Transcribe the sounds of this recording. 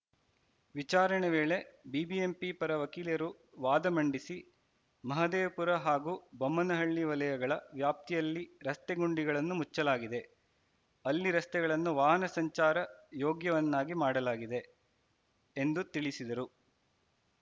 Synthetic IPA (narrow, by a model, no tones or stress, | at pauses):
ʋit͡ʃaːɾɐɳɛʋeːɭe̞biːbie̞mpipɐɾɐʋɐkiːljɐɾu | ʋaːd̪ɐmɐɳɖisi | mɐɦɐd̪eːpuɾɐɦaːɡuːbɐmːɐnɐɦɐɭːiʋɐlɐjɐɡɐɭɐʋjaːp̚t̪ijɐlːiɾɐst̪ɛɡuɳɖiɡɐɭɐnːumut͡ʃːɐlaːɡid̪e̞ | ɐlːiɾɐst̪ɛɡɐɭɐnːuʋaːɦɐnɐsɐɲt͡ʃaːɾɐjoːɡjɐʋɐnːaːɡimaːɽɐlaːɡid̪e̞ | end̪ut̪iɭisid̪ɐɾu